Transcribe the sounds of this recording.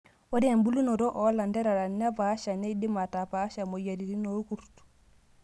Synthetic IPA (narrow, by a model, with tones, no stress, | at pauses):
o˦dmbu˦lu˦no˨ɾo˦ʔo˨˦la˨nde˦ɾa˨ɾa˨n˦a˦pa˨˦ʃa˨ne˦di˦ma˨ta˨pa˨˦ʃa˨mo˨ja˨ɾi˨ɾi˦no˨˦ku˨ɾtu̥